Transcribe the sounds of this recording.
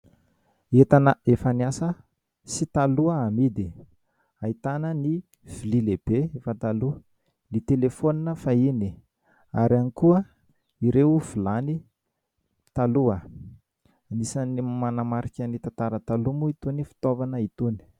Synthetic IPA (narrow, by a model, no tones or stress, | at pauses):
et̪anəefaniasə | sit̪aluəamid̪i | ait̪anəni | v̥ililebeefat̪alu | nit̪elefoninəfaini | aɾianikuə | iɾewuv̥ilani | t̪aluə | nisanimanamaɾikʲanit̪at̪aɾət̪alumuit̪unifi̥t̪ovanəit̪uni̥